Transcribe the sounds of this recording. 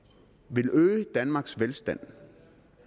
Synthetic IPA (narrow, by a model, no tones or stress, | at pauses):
ʋe̝løːəd̥ænmɑ̈ɡ̥sʋelsd̥æn̰